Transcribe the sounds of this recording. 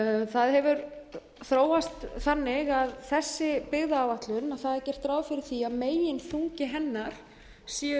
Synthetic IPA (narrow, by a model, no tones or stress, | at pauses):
θaðhɛvʏɾ | θɾoːwast̪θanːɪɣaðθɛsːɪpɪɣðaːvat̪lʏnaðθaðɛɾcɛr̥t̪ɾaːwfɪɾɪɾ̥θiaðmeːjɪnθuŋcɪɦɛnːaɾ̥ | si